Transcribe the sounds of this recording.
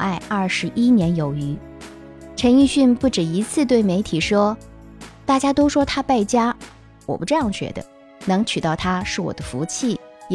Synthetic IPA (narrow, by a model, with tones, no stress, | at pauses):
ʔa˥˧ɪɐ˞˥˩ʂɻ̩˧˥ʔi˥njɛ˧˥njo˨˩ʊy˧˥ | ʈ͡ʂʰə˧˥ni˥˧ɕy˥˧npu˥˩ʈ͡ʂɻ̩˨˩i˧˥t͡sʰɹ̩˥˧t̪we˥˩ɪme˧˥ɪt̪ʰi˨˩ʂwɔ˥ | t̪a˥˩t͡ɕja˥t̪o˥ʊʂwɔ˥t̪ʰa˥pa˥˩ɪt͡ɕja˥ | wɔ̰˨˩pu˥ʈ͡ʂɤ˥˧jɑ˥˩ŋɕɥɛ̰˧˥d̪ə̰˧ | nɤ˧˥ŋt͡ɕʰy˨˩t̪ɑ˥˩ʊt̪ʰa˥ʂɻ̩˥˩wɔ̰˨˩d̪ə˦fu˧˥t͡ɕʰi˥˩